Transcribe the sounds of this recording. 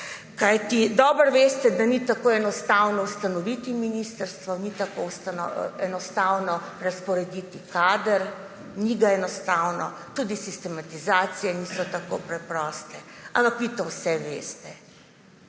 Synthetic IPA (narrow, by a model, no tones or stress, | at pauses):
kajt̪id̪ɔːbəɾʋeːst̪ɛd̪anit̪akoːɛnɔst̪awnɔwst̪anɔʋit̪iminist̪əɾst̪ʋɔnit̪akowst̪anɔ̰ɛnɔst̪awnɔɾaspɔɾɛd̪it̪ikaːd̪əɾ | niɡaɛnɔst̪aːwnɔt̪uːd̪isist̪ɛmat̪izaːt̪sijɛnisɔt̪akopɾɛpɾɔːst̪ɛampakʋit̪ɔwsɛʋeːst̪ɛ